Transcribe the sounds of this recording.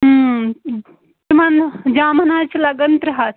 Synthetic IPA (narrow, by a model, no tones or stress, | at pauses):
tmɐnd͡ʒaːmɐnaːt͡ʃilɐɡɐnt̪ɾɐɦat̪